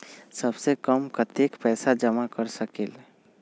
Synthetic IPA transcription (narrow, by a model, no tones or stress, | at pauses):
səbsekəmkət̪ekpɛːsad͡ʒəmakəɾsəkel